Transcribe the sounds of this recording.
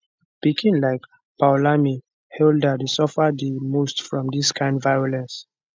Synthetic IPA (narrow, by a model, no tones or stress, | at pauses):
pikʰĩnlaɪk | b̥awlami | hɛldadesɔfədimostfɹɔ̃mdiskʰãɪ̃ndvajɔlɛ̃ns